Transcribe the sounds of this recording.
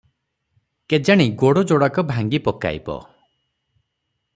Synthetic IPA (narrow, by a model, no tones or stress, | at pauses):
ked͡ʒaɽ̃iɡoɽɔd͡ʒoɽakɔbʱaŋɡipɔka̰j̰bɔ̰